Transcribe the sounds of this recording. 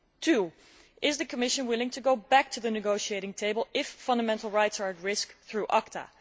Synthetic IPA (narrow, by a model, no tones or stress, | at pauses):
tʰu | ʔɪzðɨkʰəmɪʃə̃nwɪlˠɪ̃ŋtʰɨɡoʊbæk̚tʰɨðɨnɨɡoʊʃieɪɾɪ̃ŋtʰeɪbəl̩ˠɪfːʌ̃ndəmɛ̃ntˡl̩ˠɹaɪtsə˞ɨtɹɪskθɹuʔɑktʰə̰